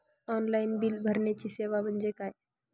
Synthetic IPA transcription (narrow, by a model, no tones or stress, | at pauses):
ɔnlainbiːlbʱəɾɳjat͡ɕiːseʋam̤əɳd͡ʑekaj